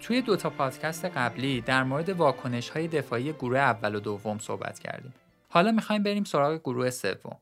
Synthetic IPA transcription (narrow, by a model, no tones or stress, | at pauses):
t̪ʰuje̞d̪o̞t̪ʰɒːpʰɒːd̪̥cʰæst̪e̞ɢæbliːd̪æɾmoɾe̞d̪e̞vɒːkʰo̞ne̞ʃhɒːje̞d̪e̞fɒːije̞ɡuɾuheævːælod̪ovːomso̰hbæ̰t̪ʰcʰæ̰ɾd̪ḭːm | hɒːlɒːmixɒːjmbe̞ɾiːmso̞ɾɒːɣeɡuɾuːhe̞se̞̰vːo̞̰m